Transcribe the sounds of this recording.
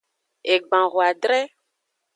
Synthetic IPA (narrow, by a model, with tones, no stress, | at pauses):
e˨ɡ͡bã˨ɣo˨a˨ɖɾɛ˦